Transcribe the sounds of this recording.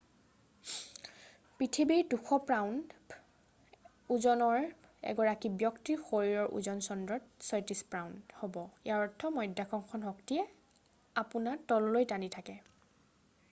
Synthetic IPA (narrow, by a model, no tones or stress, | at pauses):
pɹitʰibiɹduxʰɔpɹawnd | uzɔnɔɹɛ̰ɡɔɹakibjɔktixoɹiɹɔɹʔṵzɔnsɔndɹɔtsɔjtispɹawndhobɔiaɹɔtʰːɔmɔjdakʰɔŋkʰɔnɦɔktijɛ | apunatɔlːojtanitʰakɛ